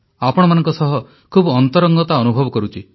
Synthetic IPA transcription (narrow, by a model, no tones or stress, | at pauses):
apɔɽ̃ɔmanɔŋkɔsɔɦɔ | kʰubɔnt̪ɔɾɔŋɡɔt̪aɔnubʱɔbɔkɔɾut͡ʃʰi